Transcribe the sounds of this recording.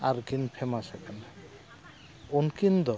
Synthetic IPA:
a̰ɾkinpʰemasekana | onkind̪ɔ

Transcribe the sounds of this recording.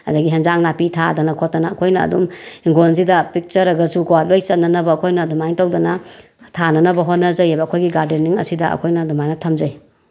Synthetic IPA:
ɐ̰dɐɡiɦɐnzaŋnapitʰadɐnɐkʰotːɐnɐːkʰojnɐ̰ːdumiŋɡons̬idɐpik̚t͡ʃɐɾɐɡɐsuɡowat̚lojsɐt̚nɐnɐbɐːkʰojnɐdumajntawdɐnɐ | tʰanɐnɐbɐɦot̚nɐzɐjajbɐːkʰojɡiɡaɾdenːiŋɐ̰sidɐɐ̰kʰojnɐdumajnɐtʰɐmzɐj

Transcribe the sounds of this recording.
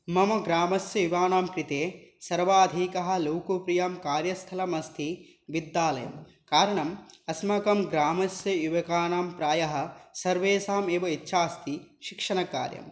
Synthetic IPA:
mɐmɐɡɾaːmɐsjɐjiʋaːnaːmkɾit̪eːsɐɾʋaːd̪ʱiːkɐɦɐ̆loːkupɾijaːmkaːɾjɐst̪ʰɐlɐmɐst̪ʰi | ʋid̪ːaːlɐjɐ̰m | kaːɾɐɳɐmɐsmɐkɐmɡɾaːmɐsjɐjuʋɐkaːnaːmpɾaːjɐɦɐ̆sɐɾʋeːsaːmeːʋɐitːʃʰaːst̪ʰiʃikʂɐɳɐka̰ːɾjɐ̰m

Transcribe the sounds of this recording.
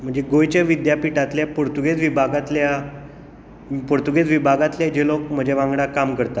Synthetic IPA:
m̤əɳd͡zd͡ʑeɡojt͡ɕjaʋid̪japiʈat̪ljapoɾt̪uɡet͡sʋibʱaɡat̪lja | poɾt̪uɡet͡sʋibʱaɡat̪ljad͡ʑelok̚m̤əd͡ʑeʋãŋɡɽakamkəɾt̪a

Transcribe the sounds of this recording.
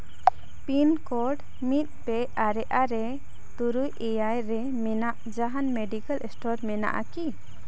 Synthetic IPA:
pinkɔɾɖ | mit̪̚ˀpɛ | aɾɛʔaɾɛ | t̪uɾujɛjajɾɛ | mɛnaʔd͡ʒaɦanmɛɖikalʔɛsʈɔɾmɛna̰ʔa̰ki

